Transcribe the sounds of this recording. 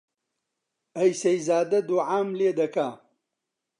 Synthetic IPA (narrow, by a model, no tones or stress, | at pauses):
ɐjsɐjzaːd̪ɐd̪uʕaːmleːd̪ɐkaː